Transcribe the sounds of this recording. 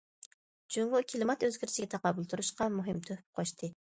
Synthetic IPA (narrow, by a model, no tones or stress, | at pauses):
d͡ʒuŋʁʊkʲʰilˠɪmɑt̪øzɡʲiɾt͡ʃʰiɡʲɛt̪ʰɑqɑːbulˠt̪ʰuɾuʃqɑmuɦɪmt̪ʰøh̚qʰoʃt̪ʰɨ